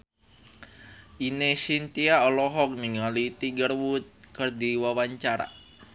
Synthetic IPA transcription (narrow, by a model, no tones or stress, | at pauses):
ʔinesint̪iaɔlɔɦɔk̚niŋalit̪iɡərwut̪̚kərd̪iwawaɲt͡ʃaɾa̰